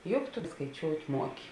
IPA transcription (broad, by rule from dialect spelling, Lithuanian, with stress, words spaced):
ˈjʊk tʊ skɐɪˈt͡ʃʲoːʊtʲ ˈmuɔkʲɪ